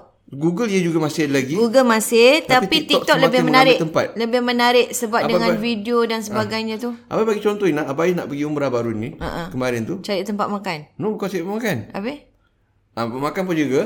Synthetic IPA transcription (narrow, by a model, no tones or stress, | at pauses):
ɡuɡəliəd͡ʒuɡamasɪlaɡid͡ʒuɡamasɪht̪apit̪it̪ɔk̚ləbɪhmənaɾɪt̪əmpat̪̚ləbɪhmənaɾɪʔsəbap̚dəŋanfidiodansəbaɡajɲat̪uʔa̰pabaɡit͡ʃɔnt̪ɔinaapajina̰ʔpəɡiuməɾabaɾunia̰ʔakəmaɾənt̪ut͡ʃaɾɪʔt̪əmpat̪̚makannobkat͡ʃaɾimakana̰pə | ʔamakanp̬und͡ʒuɡa